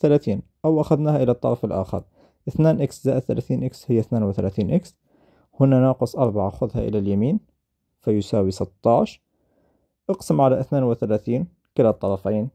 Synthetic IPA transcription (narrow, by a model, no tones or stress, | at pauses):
θalaːθiːnʔawʔaxaðnaːhaʔɪlat̪ˤːɑɾˤɑfɪlʔa̰ːxɑ̰ɾˤ | ʔɪθnaːnʔɪkszaːʔd̪θalaθiːnʔɪkshɪjːaθnaːnwɪθalaθiːnʔɪks | hʊnːanɑːqʊsˤʔɑɾˤbɑʕaxʊðhaʔɪ̰laljamiːn | fajʊsaːwisɨt̪ˤːɑʕʃ | ʔɑqsɪmʕalaʔɪθnaːnwɪθalaːθiːn | kɪlːɑt̪ˤːɑɾˤɑfajn